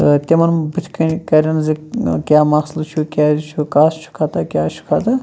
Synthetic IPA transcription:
ɨt̪ʲemɐnbɨt̪ʰkɐkɐɾʲɐnzikʲaːmɐxslt͡ʃʰukʲaːzt͡ʃʰukaːst͡ʃʰu̥kʰat̪akʲjaːt͡ʃʰu̥kʰat̪ɨ

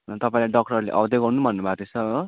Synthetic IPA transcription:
t̪ʌpaĩlaɖʌkʈʌrlḛʔʌbd̪eɡʌrnubʱʌnːubʱat̪esʌ

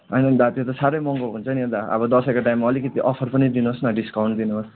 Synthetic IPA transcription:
ʌjnʌnd̪at̪jot̪ʌsaɾʌjmʌŋɡʌlɦunt͡sʰʌnid̪aʌ̰bʌd̪ʌsʌkoʈajmːaʌlikʌt̪iʔʌpʰʌrpʌnid̪inuɦosnʌɖiskawɳʈ̚d̪inuɦos

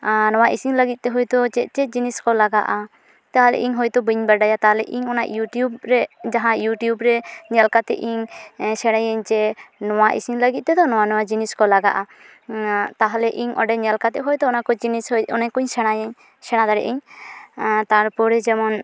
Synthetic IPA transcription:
nɔwaʔisiŋləɡit̪̚t̪ɛɦɔjt̪ɔt͡ʃɛt͡ʃɛd͡ʒiniskɔlaɡa̰ʔa | t̪aɦalɛ̰ʔiɲɦɔjt̪ɔbiɲbaɾɖajat̪aɦlɛʔiɲɔnaʔjuʈijubɾɛd͡ʒaɦãjuʈijubɾɛɲɛlkat̪ɛ̰ʔiɲsɛɽ̃ajəɲt͡ʃɛnɔwaʔḭsiŋləɡit̪̚t̪ɛd̪ɔnɔwanɔwad͡ʒiniskɔlaɡa̰ʔa | t̪aɦalɛʔiɲʔɔ̰ɖɛɲɛlkat̪ɛɦɔjt̪ɔɔnakɔd͡ʒinisjɔnɛɲkuɲsɛɽ̃ajɲ | sɛɽ̃ad̪aɾɛ̰ʔiɲ | t̪aɾpɔɾɛd͡ʒɛmɔn

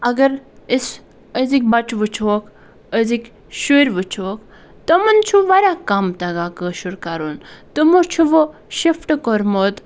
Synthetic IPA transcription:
ɐɡɐɾis | əzik̚bɐt͡ʃʋut͡ʃʰoːk | əzik | ʃuɾʲʋut͡ʃʰoːk | t̪ɐmɐnt͡ʃʰuʋaɾʲakamt̪ɐɡaːkəʃuɾkaɾunt̪umot͡ʃʰuʋoʃifʰʈkoɾmot̪

